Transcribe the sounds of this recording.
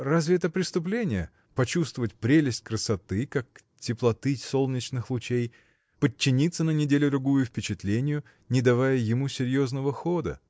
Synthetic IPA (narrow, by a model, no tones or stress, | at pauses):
razʲvʲɪɛt̪əpɾʲɪst̪ʊp̬lʲenʲɪjə | pɐt͡ɕust̪vəvətʲpɾʲelʲɪsʲtʲkɾəsɐt̪ɨkak̚ | tʲɪplˠɐt̪ɨso̞lˠnʲɪt͡ɕnɨxlˠʊt͡ɕej | pət͡ɕːɪnʲit̪sːənənʲɪdʲelʲʊd̪ɾʊɡujʊfʲpʲɪt͡ɕɪt̪lʲenʲɪjʊ | nʲɪd̪ɐvajəjɪmusʲɪɾʲjo̞znəvəxo̞d̪ə̰